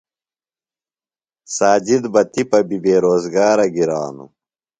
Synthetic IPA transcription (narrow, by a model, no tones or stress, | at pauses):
saːd͡ʑid̪bɐt̪ipɐbibeːɾoːzɡaːɾɐɡiɾaːnṵ